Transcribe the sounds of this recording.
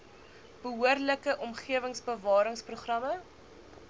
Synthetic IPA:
b̥əɦuərləkəʔɔmχiəvəŋsbəvɑːɾəŋspruχrɐmə

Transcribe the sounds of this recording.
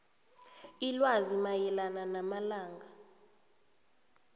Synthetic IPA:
ilwazimajɛlananamalaːŋɡa

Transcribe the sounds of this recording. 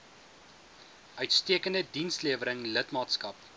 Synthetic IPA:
ʔœɥtstiəkəndədinsliəvəɾəŋlətmɑːtskɐp

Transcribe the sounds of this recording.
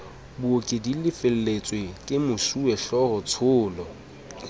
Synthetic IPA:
bʊokʼɪdilɪfɪl̩let͡sʼwekʼɪmʊʃuɛɬɔrɔt͡sʰʊːlɔ

